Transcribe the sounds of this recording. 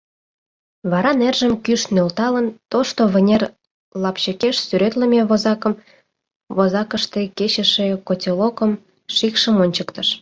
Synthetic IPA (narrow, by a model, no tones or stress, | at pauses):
βɑɾɑnerʒəmkyʃnølt̪ɑlənt̪oʃt̪oβʲə̆nʲer | lɑpɕəkeʃsyɾet̪lə̆mʲeβozɑkə̆m | βozɑkə̆ʃt̪eket͡ɕə̆ʃĕkotʲelokəm | ʃikʃəmonʲt͡ɕəkt̪əʃ